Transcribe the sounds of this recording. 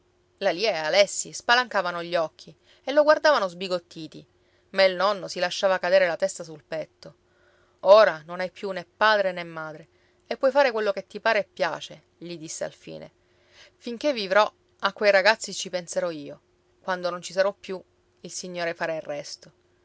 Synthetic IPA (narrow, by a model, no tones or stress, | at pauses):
laliːaealɛsːispalaŋkaːvanoʎːɔk̟ːi | elːoɡward̪aːvanozbiɡot̪ːiːt̪i | mailnɔnːosilaʃːaːvakad̪eːɾelat̪ɛst̪asulpɛt̪ːo | oːɾanonajpjunepːaːd̪ɾenemːaːd̪ɾe | epːwɔjfaːɾekwelːoket̪ːipaːɾepːja̰ːt͡ʃe | ʎid̪isːea̰lfḭːnḛ | fiŋk̟evːivɾɔ | akːwejɾaɡat̪sːit͡ʃipenseɾɔiːo | kwand̪onont͡ʃisaɾɔpːju | ilsiɲːoːɾefaɾairːɛst̪o